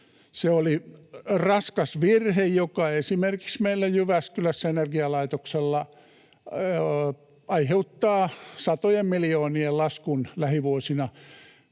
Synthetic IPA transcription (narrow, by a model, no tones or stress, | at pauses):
seolirɑskɑsʋirhejjokɑesimerki̥ksmeilːæjyʋæskylæsːæenerɡiɑlɑit̪okselːɑ | ɑiheut̪ːɑːsɑt̪ojemmilijoːniellɑskunlæhiʋuosinɑ